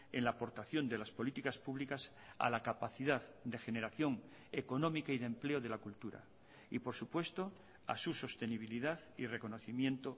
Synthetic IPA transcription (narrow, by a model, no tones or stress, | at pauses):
ḛnlaːpo̞ɾt̪aθjo̞nd̪e̞laspo̞lit̪ikaspuβlikas | a̰lakapaθiðaðd̪e̞xe̞ne̞ɾaθjo̞ŋ | eko̞nõmikaiðe̞mple̞oðe̞lakult̪uɾa̰ | ḭpo̞ɾsupwe̞st̪o | a̰suso̞st̪e̞niβ̞iliðaðire̞ko̞no̞θimjẽ̞nt̪o